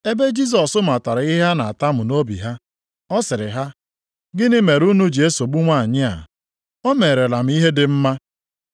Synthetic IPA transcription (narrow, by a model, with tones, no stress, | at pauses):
e˦be˦d͡ʒi˦s̬ɔ˨sʊ˦m̩˨a˨ta˨ɾa˨˦ɪ˦ɦa˦na˨a˨ta˦mʊ˨no˦bḭ˨ɦa˦ | ɔ˦sɪ˨ɾɪ˨ɦa˦ | ɡɪ˦nɪ˦me˨ɾu˦nu˦d͡ʒi˨e˦so˨ɡ͡bu˦ŋʷa˦a˨ɲɪ˦a̰˨ | o˦me˨ɾe˨la˨m̩˦i˦ɦe˦dɪ˨m̩˦ma˦